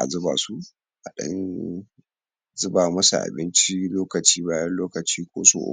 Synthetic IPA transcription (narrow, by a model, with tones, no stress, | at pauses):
ʔa̰˨zʊ˦baː˨su˦ | ʔa˨ɗɐ̰˦n | zʊ˦baː˨mɐ˦sṵ˨ʔa̰˨bɪ˦nt͡ʃi˦loː˦kɐ˨t͡ʃiː˦baː˦jɐ˦nloː˦kɐ˨t͡ʃiː˦kʷoː˦so̰ː˨ʔʊ̰˦